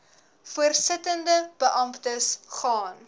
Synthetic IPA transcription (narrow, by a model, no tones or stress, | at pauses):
fuərsətəndəb̥əʔɐmptəsχɑːn